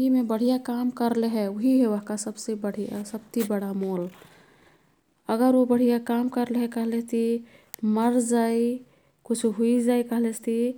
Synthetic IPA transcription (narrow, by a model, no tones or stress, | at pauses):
imebəɽ̤ijakamkəɾleɦɛoɦiɦeʋəɦkasəbsebəɽ̤ija̰səb̚t̪ibəɽamol | əɡəɾobəɽ̤ijakamkəɾleɦɛkəɦlet̪i | məɾd͡ʒai | kut͡ʃʰɦuid͡ʒaikəɦlet͡ʃʰt̪ʰi